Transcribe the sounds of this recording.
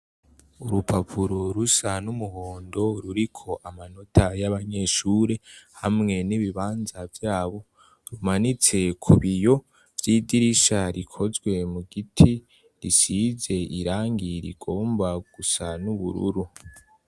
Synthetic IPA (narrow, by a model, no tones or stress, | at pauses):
uɾupʰapʰuɾoɾusanumuhoːndo̞ɾuɾikʰo̞ʔamano̞tajaβaɲe̞ːʃuːɾe̞hamŋe̞niβiβaːnzavjaːβo̞ | ɾumanit͡se̞kʰuβijo̞ | vjidiɾiʃaɾikʰo̞zɡwe̞muɡitʰi | ɾisize̞ʔiɾaːŋɡiɾḭɡ̥o̞ːmbaɡ̥usanuβṵɾṵɾu